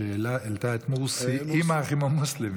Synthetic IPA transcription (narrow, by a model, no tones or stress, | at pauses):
eːlaelt̪aet̪muʁusiimaχimamuslim